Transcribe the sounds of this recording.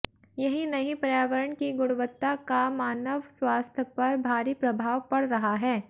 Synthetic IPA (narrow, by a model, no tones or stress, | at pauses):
jɐɦinɐɦĩpɐɾjaːʋəɾəɳkiɡʊɽʋət̪ːakamaːnəʋswaːst̪ʰəpɐɾbʱaːɾipɾɐbʱaːʋpɐɽɾɐɦaɦɛː